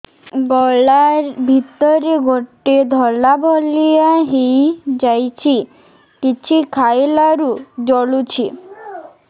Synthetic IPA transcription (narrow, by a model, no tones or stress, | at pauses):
ɡɔɭaɾbʱit̪ɔɾeɡoʈːed̪ʱɔlabʱɔlijaɦejd͡ʒajt͡ʃʰi | kit͡ʃʰikʰajlaɾud͡ʒɔɭut͡ʃʰi